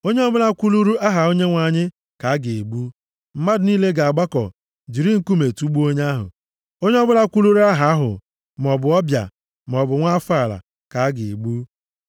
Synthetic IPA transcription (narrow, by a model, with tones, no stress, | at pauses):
o˦ɲe˦ɔ˦bʊ˦la˦kʷu˦lu˦ɾu˦ʔa˦ɦa˨o˦ɲe˦ŋʷa˨ɲɪ˦ | ka˨a˦ɡe˨e˨ɡ͡bu˦ | m̩˦ma˦dɪ˨ni˦le˦ɡa˨a˨ɡ͡ba˦kɔ̰˨ | d͡ʒi˨ɾi˦ŋ̩˦ku˦me˨tu˦ɡ͡bu˦o˦ɲ˦a˦ɦʊ̰˨ | o˦ɲe˦ɔ˦bʊ˦la˦kʷu˦lu˦ɾu˦a˦ɦa˨a˦ɦʊ̰˨ | m˨ɔ˨bʊ˨ɔ˦bja̰˨ | m˨ɔ˨bʊ˨ŋʷa˦fa˦˨ɾa̰˨ | ka˨a˦ɡɪ˨e˨ɡ͡bu˦